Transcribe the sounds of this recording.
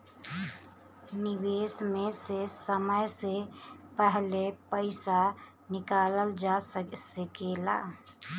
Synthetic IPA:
niwesmesesəməjsepəɦlepəɪsa | nɪkaːləld͡ʒasəsəkela̰

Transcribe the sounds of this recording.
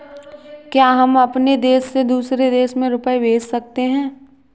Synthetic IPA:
kjaːɦɐmɐpned̪eːsːed̪uːsɾed̪eːʃmẽɾʊpəebeːd͡ʒsɐk̚t̪eɦɛ̃ː

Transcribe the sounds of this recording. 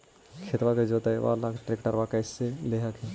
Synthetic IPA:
kʰet̪ʋaked͡ʒoːt̪aʋa̰lakʈɾekʈəɾʋakəɪseleɦəkʰe

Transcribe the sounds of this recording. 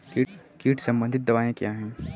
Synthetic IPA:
kikiːʈsɐ̃mbə̃nd̪ʱɪt̪̚d̪ɐʋaːẽkjaɦɛ̃ː

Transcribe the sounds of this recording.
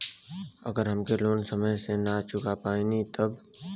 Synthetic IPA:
ɐ̰ɡəɾɦəmkeloːnsəməjsenat͡ʃʊkapaːinit̪ɐb

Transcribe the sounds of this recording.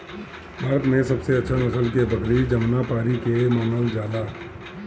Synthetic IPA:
məɾd̪mẽsɐbseɐtːʃʰanəsəlkebəkɾid͡ʒəmnapaːɾikemaːnəld͡ʒaːlaː

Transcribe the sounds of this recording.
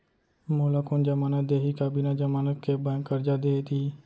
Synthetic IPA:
moːlaːkʊnd͡ʒəmaːnad̪eːɦikaːbiːnaːd͡ʒəmaːnəkeːbə̃kːəɾd͡ʒaːd̪eːt̪iː

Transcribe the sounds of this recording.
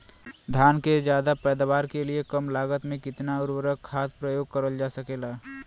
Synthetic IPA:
d̪ʱjaːnked͡ʒjaːd̪apɛːd̪aʋaːɾkeliekəmlaːɡət̪mẽkɪt̪naʊɾwəɾəkʰːaːt̪pɾəjoːɡ̚kəɾəld͡ʒaːsəkeːlaː

